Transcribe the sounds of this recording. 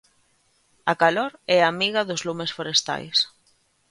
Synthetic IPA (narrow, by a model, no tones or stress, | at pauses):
ɐkaloɾɛamiɣɐðʊzlumesfoɾest̪a̰js